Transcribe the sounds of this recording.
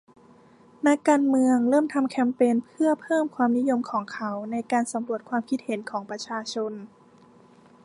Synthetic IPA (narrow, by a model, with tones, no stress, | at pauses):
na˦˥kːaː˧nmɯ˧əŋɾɤː˥˩mt̪ʰa˧mkʰɛ˦˥mpeː˧npʰɯ˥˩ɐpʰɤː˥˩mkʰwaː˧mni˦˥jo˧mkʰɔː˩˦ŋkʰa˦˥wna˧jkaː˧nsa˩˦mɾu˧˩ət̪̚kʰwaː˧mkʰi˦˥t̪̚he˨˩˦nkʰɔː˩˦ŋpɾa˧t͡ɕʰaː˧t͡ɕʰo˧n